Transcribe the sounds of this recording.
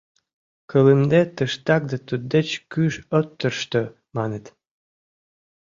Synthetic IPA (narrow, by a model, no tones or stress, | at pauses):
kʰələmd̪et̪əʃt̪ɑk̚d̪ət̪ud̪ːet͡ɕkyʃot̪ːərʃt̪ə | mɑnet̪